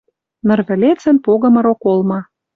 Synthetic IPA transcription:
nɤ̆rβɘ̆lʲet͡sə̆npoɣɤ̆mɤ̆ɾokolˠmɑ

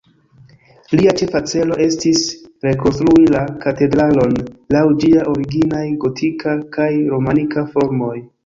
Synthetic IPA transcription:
liat͡ʃe̞fat͡se̞lo̞ʔe̞stisɾe̞ko̞nstɾuilakate̞dɾalo̞nlawd͡ʒiaʔo̞ɾiɡinajɡo̞tʰikakajɾo̞manikafo̞ɾmo̞j

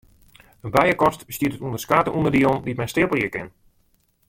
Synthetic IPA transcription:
ənbɛjəkɔstbəstiətətuəndərskaːtəʔundərdionditmɛjnstɪːpəlˠjəkɪn

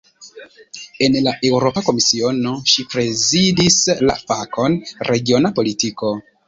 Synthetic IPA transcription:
e̞nlaʔe̞wɾo̞pako̞misio̞no̞ʃipɾe̞zidisla̰fakʰo̞nɾe̞ɡio̞napo̞litiko̞

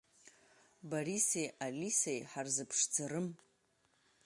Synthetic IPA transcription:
baɾisejʔalʲisejħarzɨpʰʂd͡zaɾɨm

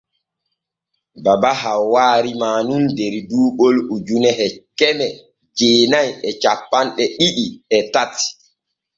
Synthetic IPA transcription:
babaɦawaːɾimaːnundɛɾduːɓolud͡ʒunɛhɛkɛmɛ | d͡ʒeːnajɛt͡ʃapːanɗɛɗiɗiɛtat

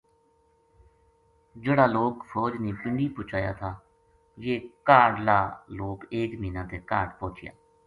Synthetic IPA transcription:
d͡ʒeːɽaːloːkpʰɔːd͡ʒniːpɪɳɖiːpʊt͡ʃʰaːja̰ːt̪ʰaː | jeːkaːɖlaːloːkeːkmiːnãːt̪eːkaːʈpõːt͡ʃʰɪja̰ː

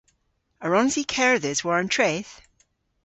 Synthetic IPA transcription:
əɹɔ̃nzikʰɛɹðɪzwəɹə̃ntʰɹ̥eθ

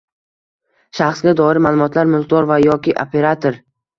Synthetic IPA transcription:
ʃaχsɡʲad̪ɒɪɾɪmaːlˠʊmɒt̪ʰlaɾmʊlqd̪ɒɾvajɒkʲɪʔopʰe̞ɾat̪ʰoɾ

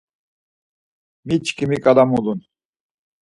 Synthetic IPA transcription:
mit͡ʃkʰimikʼad̪amulun

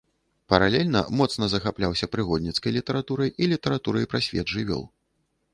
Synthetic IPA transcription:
pɐɾalʲɛlʲnɐ̰mɔt̪snɐzɐxaplʲawsʲɐpɾɨɣɔd̪ʲnʲit̪skɐjlʲit̪ɐɾat̪uɾɐjʔilʲit̪ɐɾat̪uɾɐjpɾasʲvʲɛ̰d̪ʐɨvʲɔ̰lˠ

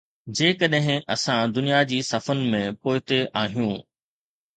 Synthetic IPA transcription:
d͡ʑeːkɐɗɦɪ̃ɐsãd̪ʊnijad͡ʑiːsɐfənɪ̆mẽpoːɪt̪eʔaːɦijũ

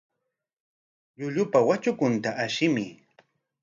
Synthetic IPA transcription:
ʎʊʎʊpawat͡ʃʊkʊnt̪aʔaʃɪmɪ

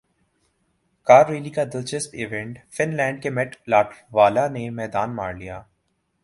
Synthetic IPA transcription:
kaːɾɾeːlikad̪ɪlt͡ʃɪsʈɪʋẽɳʈfɪnlɛ̃ːɳɖ̚kemɛʈlaːʈɾʋaːlanemɛːd̪aːnma̰ːɾlija̰ː

